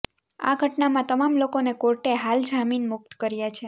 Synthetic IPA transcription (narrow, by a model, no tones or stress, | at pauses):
a̰ɡʱəʈnamãt̪əmamlokonekoɾʈeɦald͡ʒʱaminmʊk̚t̪kəɾjat͡ʃʰe